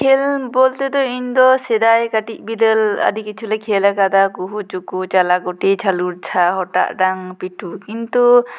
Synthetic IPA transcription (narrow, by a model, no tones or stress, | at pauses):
kʰɛlbɔlt̪ɛd̪ɔind̪ɔsɛd̪ajkaʈiʔ̚ˀbid̪əla̰dikit͡ʃʰulakʰelakad̪akuɦut͡ʃukut͡ʃalaɡɔʈet͡ʃʰaluɾt͡ʃʰaɦɔʈa̰ʔɖaŋpiʈʰukint̪u